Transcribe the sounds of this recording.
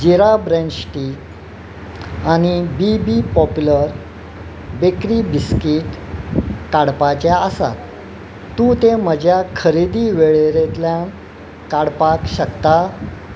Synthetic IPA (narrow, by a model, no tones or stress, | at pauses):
d͡ʑiɾabɾẽnɖɕʈiːk | aɽ̃ibibipɔpjuləɾ | bekɾibiskiʈ | kaɽpat͡ɕaəsa̰t̪ | t̪ːũt̪em̤əd͡ʑjakʰəɾid̪iːʋeɭeɾet̪ljan | kaɽpakɕəkt̪a